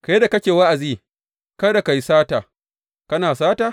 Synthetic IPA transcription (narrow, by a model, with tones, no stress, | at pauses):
ka˨je˦da˨kɐ˦kʲeː˨wa˦ʔa˨ziː˦ | kɐ˦da˨ka˨ji˦saː˦taː˨ | kɐ˦naː˨saː˦taː˨